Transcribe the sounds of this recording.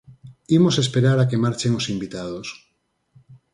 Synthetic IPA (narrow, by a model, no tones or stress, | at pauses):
imosespeɾaɾakemaɾt͡ʃeŋosimbit̪að̞os